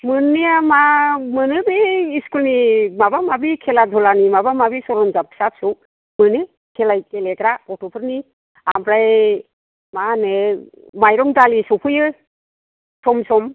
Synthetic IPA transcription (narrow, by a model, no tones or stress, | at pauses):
mɯnːijamamɯnɯbiːskulnimabamabikʰeladʱɔlanimabamabisɔɾɔnzap̚sap̚sɔw | mɯne | kʰelajkeleɡɾapɔtɔpʰɯɾni | a̰mbɾaj | mane | majɾɔŋdalisɔpʰɯjɯ | sɔmsɔm